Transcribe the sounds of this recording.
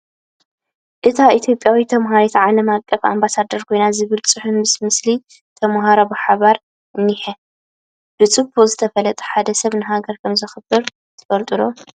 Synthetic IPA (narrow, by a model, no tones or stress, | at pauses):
ʔɨt̪ʰait̪ʰjo̞pʼjawit̪ʰɐmɦaɾet̪ʰʕalɐmakʼːɐfa̰mbasad̪ːɐɾkʰo̞jnazɨβɨlt͡sʼɨħunmɨsmɨsli | t̪ʰɐmɦaɾobɨħaβaɾ | ɨnːiħɐ | b̥ɨt͡sʼɨbʰozɨt̪ʰɐfɐlɐt̪ʼɐ̥ħad̪ɐsɐβnɨɦaɡɐɾkʰɐmzɨxɨbːɨɾ | t̪ʰɨ̥fɐlt̪ʼɨlo